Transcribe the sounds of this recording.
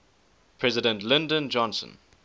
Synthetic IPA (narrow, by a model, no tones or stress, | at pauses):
pʰɹɛzɪdə̃ntlɪ̃ndə̃nd͡ʒɔ̃nsə̰̃n